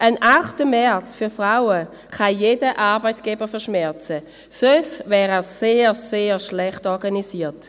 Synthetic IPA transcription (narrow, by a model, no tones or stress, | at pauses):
ʔənʔaχtəmɛɐt͡sfyɐfʁaʊə | kʰajeːdəʔaːʁbaɪtɡ̥eːbəfɛɐʃmɛɐt͡sə | søsvɛːʁɛseːseːʃlɛχtɔɐɡanisiːɐt